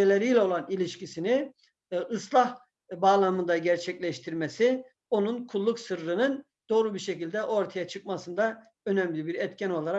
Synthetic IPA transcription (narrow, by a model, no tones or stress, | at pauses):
elʲeɾijlʲɛo̞lˠanilʲiʃcisini | ɯslˠah | baːlˠamɯnd̪aɟɛɾt͡ʃʰɛclʲɛʃt̪ʰiɾmɛsi | o̞nunkʰulˠːuksɯɾɾɯnɯn | d̪̥o̞ːɾubiɾʃɛcilʲd̪ɛʔo̞ɾt̪ʰajat͡ʃʰɯk̚masɯnd̪a | ø̞nɛmlʲibiɾɛt̪cʰɛno̞lˠaɾa